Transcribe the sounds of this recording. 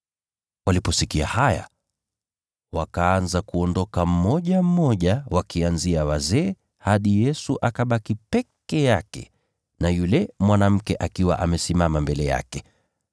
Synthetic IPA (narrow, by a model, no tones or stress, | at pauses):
walipɔsikiahaja̰ | wakaanzakuɔndɔkam̩mɔʄam̩mɔʄawakianziawazɛː | haɗijɛsuʔakaɓakipɛkɛjakɛ̰ | najulɛmwanam̩kɛʔakiwa̰ʔamɛsimamambɛlɛja̰kɛ